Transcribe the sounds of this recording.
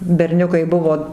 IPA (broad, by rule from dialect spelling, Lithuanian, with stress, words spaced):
bʲɛrʲˈnʲʊkɐɪ ˈbʊʋoː